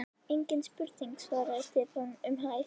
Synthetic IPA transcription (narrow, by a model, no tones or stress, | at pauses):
eɲcɪnspʏɾt̪iŋksvaːɾaɪt̪ɪpanʏmɦaj